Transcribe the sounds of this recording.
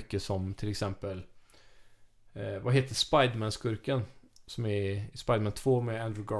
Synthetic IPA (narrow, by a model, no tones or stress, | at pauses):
kːəsɔmt̪ʰɪlɛksɛmpəl | vaɦeːt̪əʂpajd̪mænskɵɾkənsɔmæɪspajd̪mænt̪ʰv̥oːmɛænd̪ɾʉɡɑ